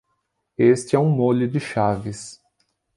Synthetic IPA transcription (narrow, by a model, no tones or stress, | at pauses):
est͡ʃɪɛũmolʊdɪʃavɪs